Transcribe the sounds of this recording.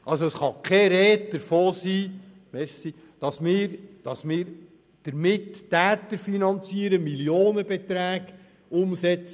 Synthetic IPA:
ʔɑlsoəsχɑkʰɛɾɛːtd̪̥əɾfoːsiː | mɛɾsi | d̥ɑsmɪːɾd̥ɑsmɪːɾ | d̥əɾmɪtːæːt̪əɾfinɑnt͡siəɾəmiljoːnəbet̪ɾæːɡ | ʊmsɛt͡sə

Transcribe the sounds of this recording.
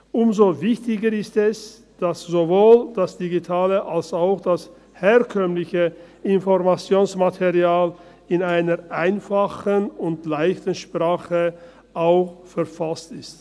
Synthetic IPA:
ʔʊmzovɪçtɪɡəɪstɛs | d̥asz̥ovoːld̥asd̥iɡitʰaːləʔalsaʊxd̥as | heːɐkʰœmlɪçə | ɪnfɔʁmat͡sjoːnsmatʰeʁiaːl | ɪnaɪnɐʁʔaɪnfaχənʊntlaɪçtən̩ʃpʁ̥aːχə | ʔaʊxfɛɐfastɪst

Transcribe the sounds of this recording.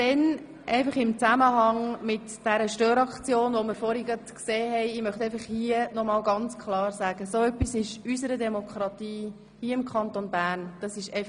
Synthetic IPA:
d̥ɛn | ʔɛɪfɑχɪmt͡sæməɦɑŋmɪt | d̥ɛɾəʃtøːɾɑkt͡sjoːnʋoməɾfɔɾiɡətkseːɦɛɪɪmœχt̪ɛɪfɑχhiənɔmɑːlɡɑnt͡skʰχlɑːɾzæɡ̥əsoœpːisɪʃysəɾədɛmokχɾɑtiː | hiəɪmkʰχɑntonbæːɾnd̥ɑsɪʃɛɪf

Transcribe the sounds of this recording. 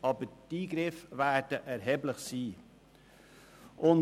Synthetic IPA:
ɑbədiːɡɾɪfvæd̥əʔɛɾɦɛːbləχsiː | ʔʊn

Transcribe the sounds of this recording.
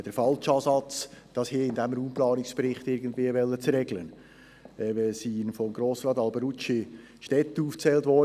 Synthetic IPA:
d̥əɾfɑlt͡ʃɑːsɑt͡sd̥ɑshiːɪndɛmɾuːmplɑːnɪksb̥ɛɾɪχtɪɾɡəndviəvɛlːət͡sɾɛɡlən | visinfɔmɡɾoːsɾɑːt̪ɑlbəɾut͡ʃi | ʃtɛt̪əuːft͡sɛːltvɔ

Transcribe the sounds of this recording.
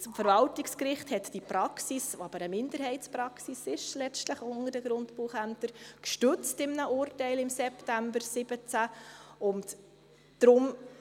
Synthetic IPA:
smfəɾvɑltɪkskrɪχthɛtd̥ipɾɑksisɑb̥əɾəmɪndəɾɦɛɪtspɾɑksisɪʃlɛt͡stləχʊnəɾdəɡ̥ɾʊntpuːχæntəɾkʃtʏt͡stɪmnəʔʊːrtɛɪlɪmsɛptæmbəɾsɪb̥ət͡sæʊnt | d̥ɾʊm

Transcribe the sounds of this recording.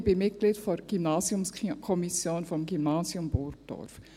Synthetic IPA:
b̥imɪt̚ɡ̥liːtfɔɡ̥ymnaːsjʊmskʰɔmisjoːnfɔmɡymnaːzjʊmbɔrk̚d̥ɔ̰ɾf

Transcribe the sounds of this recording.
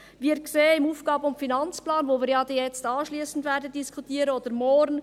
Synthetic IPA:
viːkseːɪmuːfɡ̥ɑːbəʊmfinɑnt͡splɑːnvoːʋiːɾjɑd̪ɛjɛt͡stɑːʃliːsn̩dvɛːɾdədiskʰutiːəɾəod̥̪əɾmɔɾn

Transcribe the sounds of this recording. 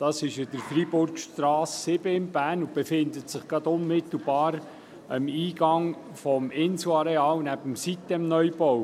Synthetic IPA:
d̥ɑsɪʃɪdəɾfribʊɾkʃt̪ɾɑːsːɪbəɪnb̥æːɾnʊb̥efɪnd̪ətsɪχɡ̥ɑd̪ʊnmɪt̪l̩b̥ɑːɾ | əmiːɡ̥ɑŋ | fɔmɪnsuɑɾeɑːlnæbəmsit̚dɛmnœʏbɔw

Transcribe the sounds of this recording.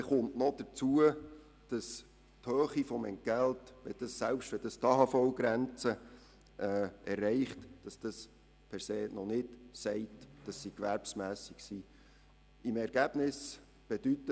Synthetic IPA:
ɛχʊntnɔd̥ət͡suə | d̥ɑs | thøːχifɔmɛ̰nɡ̥æltʋɛd̥ɑsælpʃtʋɛd̥ɑstɑɦɑfɔwɡɾɛnt͡sə | ʔɛːʔɛrːɛɪχtd̥ɑsd̥ɑs | pʰɛɾseːnɔnɪdsɛɪtd̥ɑsːikʋæɾpsmæːsiksiː | imɛɾɡ̥æb̥nɪs | b̥ed̥ytːə

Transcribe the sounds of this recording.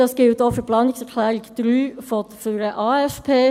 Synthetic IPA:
ɑsɡ̥ɪlt̪ɔfəpʰlɑːnɪsɛʁkʰlæːɾɪɡd̪̥ɾyːfɔt̪fyɾəʔɑːɛfpʰeː

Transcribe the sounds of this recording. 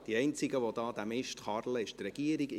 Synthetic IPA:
d̥iɛɪnt͡siɡəʋod̪ɑːd̪æmɪʃtχɑrləɪʃt̪rɛɡ̥iəɾiɡ

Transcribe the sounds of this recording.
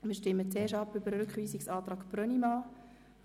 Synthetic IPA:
mɪːʃtɪmːətɛːʃɑpːʏbəɾəɾʉkχʋiːsɪksɑːt̪ɾɑːkpɾœnimɑː

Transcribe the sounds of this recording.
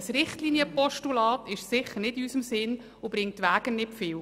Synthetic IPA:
əsɾɪχtliːnjəpɔʃtulɑːtɪʃsɪχəɾnɪdɪysəmsɪn | ʊb̥ɾɪŋtːʋæːɡ̥ənɪpfɪːw

